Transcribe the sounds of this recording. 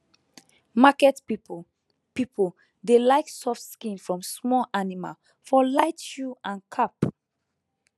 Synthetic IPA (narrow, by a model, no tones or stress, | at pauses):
makɛti | pipʰə | delaɪksɔfskĩnfɹɔ̃msmɔlʔanima̰l | fɔlaɪtʃuãnkʰap